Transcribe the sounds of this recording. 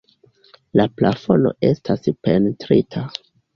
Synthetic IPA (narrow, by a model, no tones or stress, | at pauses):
laplafo̞no̞̰e̞stʰaspe̞ntɾitʰa